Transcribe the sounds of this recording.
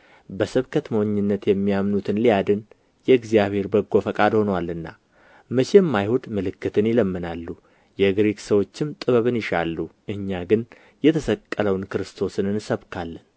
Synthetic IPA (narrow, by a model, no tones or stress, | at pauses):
bəsɨβkʰət̪məwɲːɨnːət̪jɛmːijamnut̪ʰɨnlijad̪ɨn | jɛɨɡzijaβhe̞ɾbəɡːo̞fəkʼad̪ho̞nəwalːɨnːa̰ | mət͡ʃemːajhud̪mɨlɨkːɨt̪ʰɨnjɪləmːɨnalːu | jɛɡɾeksəwo̞t͡ʃːɪmt̪ʼɨβəβɨnjɪʃalːuʔɨɲːaɡɨn | jɛt̪ʰəsəkʼːələwnkɨɾɨst̪ʰo̞sɨnɨnsəβkʰalːən